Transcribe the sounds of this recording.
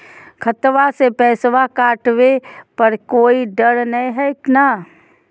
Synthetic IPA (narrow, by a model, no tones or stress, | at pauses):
kʰɐt̪ʋasepɛːsʋakaːʈʋepɐɾkoːiɖəɾnɐĩɦɛɪknaː